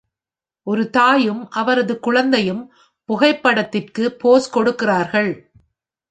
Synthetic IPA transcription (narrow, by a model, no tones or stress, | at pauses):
ʔɔɾɯt̪aːjɯmʔɐʋɐɾɐðɯkʊɻɐnd̪ɐjɯm | pʊɣɐɪpːɐɽɐt̪ːɪrkɯpoːskɔɽɯkːɪraːɾɣɐɭ